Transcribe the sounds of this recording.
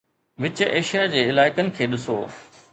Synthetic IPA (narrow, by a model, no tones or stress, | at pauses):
ʋɪt͡ɕeːʃijad͡ʑeːɪlaːɪkənɪ̆kʰeːɗɪso̰ː